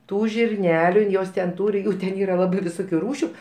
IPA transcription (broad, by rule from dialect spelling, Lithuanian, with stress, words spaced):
ˈtuː ʒʲɪrʲˈnʲæːlʲʊ ɪn ˈjoːs tʲɛn ˈtuːrʲɪ ˈjuː tʲɛn ˈiːrɐ ˈlˠɑːbɐɪ ʋʲɪˈsʊkʲʊ ˈruːʃʲʊ